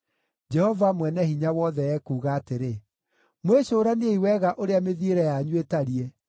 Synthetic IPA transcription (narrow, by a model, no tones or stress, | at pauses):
d͡ʒɛhɔvamwɛnɛhiɲawɔðɛɛkuːɣaːteɾe | mweɕoːɾaneeiwɛɣaʔoɾeameðieɾɛjaɲwetaɾiɛ